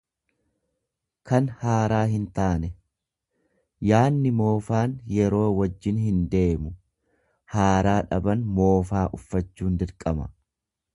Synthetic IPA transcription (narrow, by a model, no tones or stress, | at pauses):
kɐnhaːɾaːɦɪnt̪aːnɛ | jaːnːɪmo̞ːfaːnjɛɾo̞ːwɐd͡ʒːɪnhɪnd̪e̞ːmʊ | haːɾaːᶑɐbɐnmo̞ːfaːʔʊfːɐt͡ʃːuːnd̪ɪɾkʼɐmɐ̰